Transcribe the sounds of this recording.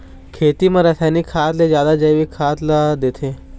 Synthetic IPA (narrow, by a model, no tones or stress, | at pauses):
kʰet̪iməɾəsanikʰːat̪led͡ʑjad̪ad͡ʒəjʋikʰat̪lad̪et̪ʰe